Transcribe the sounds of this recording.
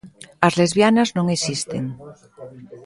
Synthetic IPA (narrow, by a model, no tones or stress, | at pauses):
azlezβjanaznõŋesist̪ḛŋ